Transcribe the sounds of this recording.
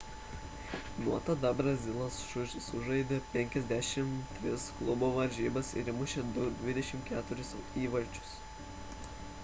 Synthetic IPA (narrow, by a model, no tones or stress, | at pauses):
nuɔt̪ɐd̪ɐbɾɐzʲɪlˠosʃʊʃʲsʊʒɐɪd̪ʲeːpʲɛŋʲkʲɛzʲd̪ʲæʃʲɪmt̪ʲʋʲɪsklˠʊboːʋɐɾʲʒʲiːbɐsɪ̰ɾʲɪmʊʃʲed̪ʊd̪ʲʋʲɪd̪ʲɛʃʲɪmkʲæːt̪ʊɾʲʊsiːʋɐlʲt͡ʃʲʊ̥s